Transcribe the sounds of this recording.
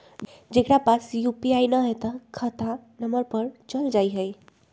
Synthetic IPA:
d͡ʒekɾapasjupiajnəɦet̪əkʰət̪ʰanəməɾpəɾt͡ʃəld͡ʒajɦəj

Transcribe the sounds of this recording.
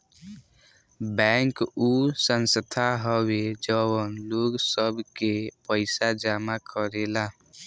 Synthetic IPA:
bɛŋkusənsət̪ʰaɦəwed͡ʒəwənloɡsəbʱkepəɪsad͡ʒamakʰəɾela

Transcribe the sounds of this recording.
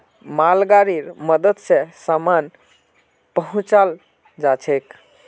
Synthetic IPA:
malɡaɾiɾməd̪əd̪sesaman | pəɦũt͡ʃal | d͡ʒat͡ʃʰek

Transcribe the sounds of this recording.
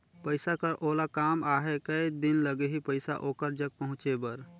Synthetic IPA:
pəɪsakəɾʔoːlakaːmaːɦekəid̪ɪnləɡeɦipəɪsa̰ʔoːkəɾd͡ʒəɡ̚pəɦʊ̃t͡ʃebəɾ

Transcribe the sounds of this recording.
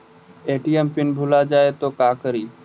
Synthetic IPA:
eːʈiempɪnbʱʊlad͡ʒaːet̪oːkaːkəɾiː

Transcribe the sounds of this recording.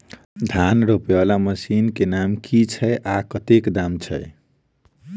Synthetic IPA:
d̪ʱanɾopebalaməsinkenamkit͡ʃʰəjʔakət̪ekd̪amt͡ʃʰəj

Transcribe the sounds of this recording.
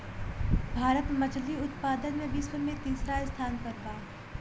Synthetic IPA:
bʱaːɾət̪mɐt͡ʃliʊt̪paːd̪ənmẽbʱiswʊɾmẽt̪iːsɾaɪst̪ʰaːnkɐɾbaː

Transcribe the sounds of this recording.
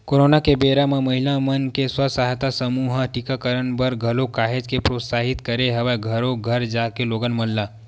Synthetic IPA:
koɾonakebeɾamaməɦilamənkeswəsaɦt̪asəmuɦəʈikakəɾənbəɾɡʱəlokaɦed͡ʒkepɾot̪saɦit̪kəɾeɦəʋaɡʱəɾoɡʱəɾd͡ʒakeloɡənməlːa

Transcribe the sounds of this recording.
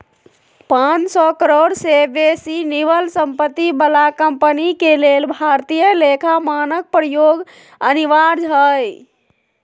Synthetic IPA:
pãnsɔkəɾoɽsebesiniʋəlsəmpət̪ːibəlakəmpənikelelbʱaɾt̪ijəlekʰamanək̚pɾəjoɡ | əniʋaɾd͡ʒɦəj

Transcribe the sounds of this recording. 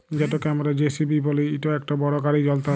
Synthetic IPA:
d͡ʑɛtokɛamaɾad͡ʑesibiboleiʈoɛk̚ʈabɔɾokaɾid͡ʑɔlt̪a

